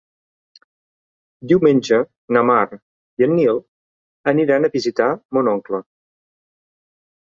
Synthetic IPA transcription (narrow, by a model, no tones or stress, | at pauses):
d̪iwmenʲd͡ʒə | nəmaɾ | iənːilˠ | əniɾanəβizit̪amunɔŋklə